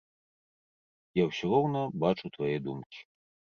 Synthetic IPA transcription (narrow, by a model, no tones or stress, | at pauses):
jawsʲirɔwnɐbat͡ʂut̪vajɛd̪umkʲi̥